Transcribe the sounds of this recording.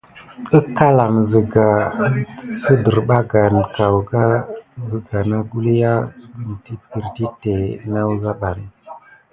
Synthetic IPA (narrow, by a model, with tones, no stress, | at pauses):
ə˦ka˦la˨nzə˨ɡa˨ | sə˦də˨ɾɓa˦ɡa˨n˨ka˨wɡa˦zə˨ɡa˨na˦ɡu˦lja˦ɡə˨nti˦pi˨ɾti˦te˨na˦wza˦ɓa˨n˨